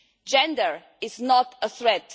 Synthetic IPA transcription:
d͡ʒɛ̃ndəɹ | ɪznɔtəθɹɛt

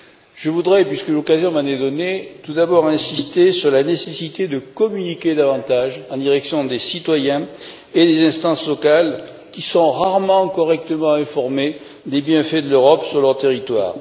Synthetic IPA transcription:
ʒ̥əvud̪ʁɛpɥiskəlɔkazjɔ̃maned̪ɔnet̪ud̪abɔʁɛ̃sist̪esyʁlanesesit̪ed̪əkɔmynikʲed̪avɑ̃t̪aʒɑ̃d̪iʁɛksjɔ̃d̪esit̪wajɛ̃ | ed̪ezɛ̃st̪ɑ̃slɔkal | kʲisɔ̃ʁaʁmɑ̃kɔʁɛk̚t̪əmɑ̃ɛ̃fɔʁme | d̪ebjɛ̃fɛd̪əløʁɔpsyʁlœʁt̪eʁit̪wa̰ːʁ

